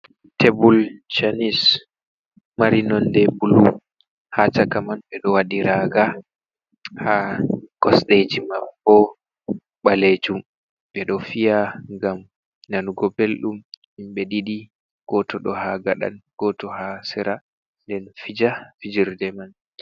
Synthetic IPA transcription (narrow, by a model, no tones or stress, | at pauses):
tebult͡ʃanis | maɾinɔndɛbulu | hat͡ʃakamanɓɛɗɔwaɗiɾaːɡa | hakɔsɗed͡ʒimabɔ | ɓaled͡ʒum | ɓɛɗɔfijaŋɡam | nanuɡɔbelɗum | imɓɛɗiɗi | ɡ̥ɔtɔɗɔhaɡaɗa̰nɡ̥ɔtɔhasɛɾa | ndɛnfid͡ʒafid͡ʒiɾdɛman